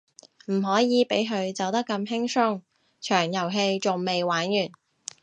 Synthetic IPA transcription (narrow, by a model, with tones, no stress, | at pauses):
m̩˨˩ɦɔː˨˥jiː˨˧pe˨˥jɦɵ˨˧ɥt͡sɐ˨˧wt̪ɐ˥kːɐ˧mhɪ˥ŋsʊ˥ŋ | t͡ʃʰœː˨˩ŋjɐ˨˩wɦe˧jt͡sʊ˨ŋme˨jwaː˨˥njyː˨˩n